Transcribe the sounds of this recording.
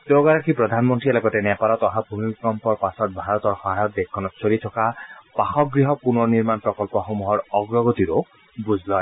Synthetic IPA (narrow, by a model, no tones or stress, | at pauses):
t̪ewɡaɾakʰipɾɔd̪ʱanmɔnt̪ɾielɔɡɔt̪enɛpaɾɔt̪ɔɦabʱumikɔmpɔɾpasɔt̪̚bʱaɾɔt̪ɔɾxɔɦajɔt̪̚d̪ekʰːɔnɔt̪t͡ʃʰolit̪ʰɔkapaxɔk̚ɡɾiɦɔpunɔniɾmanpɾɔkɔlpɔxomuɦɔɾɔɡɾɔɡot̪iɾo | bud͡ʒʱlɔ